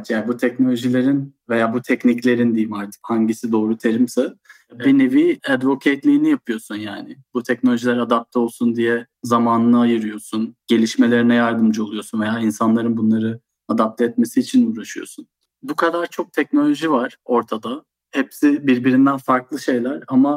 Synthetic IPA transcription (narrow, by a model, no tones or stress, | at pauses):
t͡ʃjaːnbut̪ʰɛcno̞lʲo̞ʒilʲe̞ɾinve̞jaːbut̪ʰɛcniclʲe̞ɾind̪imaɾt̪ʰɯ̥phaɲɟisid̪o̞ːɾut̪ʰeɾimsa | bineviɛd̪vo̞kʰejt̪lʲijinijapʰɯjo̞sunjaːnɪbut̪ʰɛcnolʲoʒilʲɛɾad̪ap̚t̪ʰɛolˠsund̪ijɛ | zamaːnɯnɯajɯɾɯjo̞sunɟ̥e̞lʲiʃme̞lʲeɾinɛjaɾd̪ɯmd͡ʒɯo̞lˠujo̞sunve̞jaːinsanlˠaɾɯnbunlˠaɾɯ | ad̪ap̚t̪ʰɛɛt̪me̞siːt͡ʃʰinuːɾaʃɯjo̞̰sun | bukʰad̪aɾt͡ʃʰo̞k̚t̪ʰɛc̚no̞lʲo̞ʒivaɾ̥o̞ɾt̪ʰad̪a | hɛpsibiɾbiɾind̪ænfaɾklˠɯʃe̞jlʲæɾama